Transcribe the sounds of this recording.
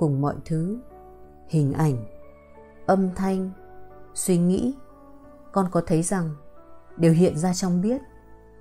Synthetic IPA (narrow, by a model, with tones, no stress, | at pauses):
kʊ˨˩ŋ͡mmɔ̰˧˨jt̪ʰɨ˨˦ | hï˨˩ŋ̟ʔa˧˩jŋ̟ | ʔə˧mt̪ʰa˧jŋ̟ | swi˧ŋḭ˧˥ | kɔ˧nkɔ˨˦t̪ʰə˨˦jza˨˩ŋɗe˨˩wɦḭ˧˨ənzaː˧t͡ɕɔ˧wŋ͡mɓi˦˥ət̚